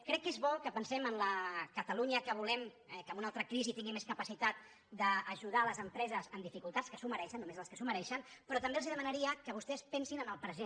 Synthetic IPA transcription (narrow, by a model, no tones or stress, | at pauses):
kɾɛkːezβɔkəpənsɛmənləkət̪əluɲəkəβ̞ulɛm | ɛkəmunalˠt̪ɾəkɾizit̪iŋɡimeskəpəsit̪at̪̚ | d̪əːʒuð̞aləzəmpɾɛzəzənd̪ifikulˠt̪atskəsuməɾɛʃənːumezləskəsuməɾɛʃənpɾɔt̪əmbelˠziðəmənəɾiəkəβ̞ust̪ɛspɛnsinənəlˠpɾəze